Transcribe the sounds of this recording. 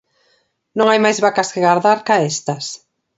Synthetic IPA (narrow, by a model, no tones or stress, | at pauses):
nõŋajmajzβakɐskɪɣaɾðaɾkaest̪ɐs